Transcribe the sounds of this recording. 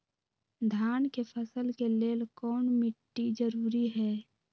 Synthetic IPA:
d̪ʱaːnkepʰəsəlkeleːlkɔːnmɪʈːid͡ʒəɾuːɾiɦɛː

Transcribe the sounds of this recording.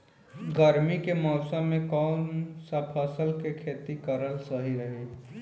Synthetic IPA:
ɡəɾmikemɔːsəmːẽkɔʊnsəpʰəsəlkekʰeːt̪ikəɾəlsəɦiɾəɦe

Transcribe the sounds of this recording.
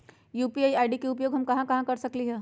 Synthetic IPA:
juːpiaːiaːɪɖikeʊpjoːɡɦɐmkɐɦãkɐɦãkɐɾsɐkliɦɛː

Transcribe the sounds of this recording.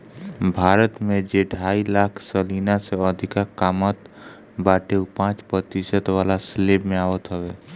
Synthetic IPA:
bʱaːɾət̪mẽd͡ʒeɖʱaːilaːkʰsəliːnaseɔd̪ʱɪkakaːmət̪ | baːʈeupãːt͡ʃpət̪isət̪ʋaːlaslebmẽaːwət̪ɦəweː

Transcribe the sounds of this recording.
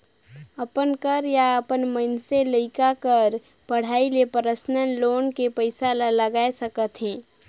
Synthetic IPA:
əpənkəɾjaəpənmənseləɪkakəɾ | pəɽ̤aːilepəɾəsnənloːnkepəɪsalaləɡaːesəkət̪ɦɛ̃ː

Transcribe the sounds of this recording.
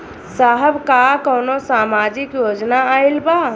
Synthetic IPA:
saːɦəbkakɔːnosaːmaːd͡ʒɪkjoːd͡ʒnaaːɪlbaː

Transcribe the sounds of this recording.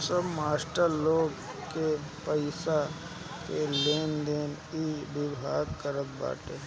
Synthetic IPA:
səbmaːsʈəɾloːɡ | kepəɪsa | keleːnd̪eːn | ibɪbʱaːɡkəɾət̪̚ba̰ːʈ̪eɦ

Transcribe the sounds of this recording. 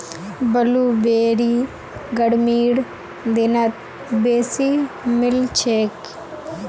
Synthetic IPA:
bɐlubeːɾi | ɡɐɽmiːɽ | d̪enɐt̪̚ | beːsi | mɪlt͡ʃʰeːk

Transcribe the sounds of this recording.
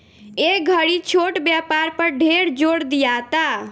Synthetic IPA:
eɡʱəɾit͡ʃʰoʈbjapaɾpəɾɖʱeɾd͡ʒoɽd̪ijat̪a

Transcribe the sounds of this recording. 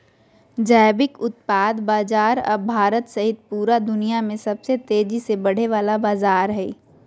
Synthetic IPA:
d͡ʒaːjbɪkʊt̪̚paːd̪baːzaːɾɐ̰bʱaːɾət̪sɐɦɪt̪̚puːɾad̪ʊnijamẽsɐbset̪eːd͡ʒisebɐɽ̤eʋaːlabaːzaːɾɦɛː

